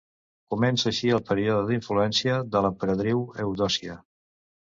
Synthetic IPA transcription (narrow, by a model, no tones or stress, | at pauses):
kumɛnsəːʃiəlˠpəɾioðəðiɱfluɛnsiəðələpəɾəðɾiwəwðɔsiə